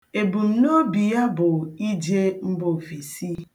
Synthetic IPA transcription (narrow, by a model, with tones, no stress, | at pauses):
e˨bu˨m̩˨n˦o˦bi˨ja˦bʊ˨i˦d͡ʒe˦m̩˦bo˨fi˨si˦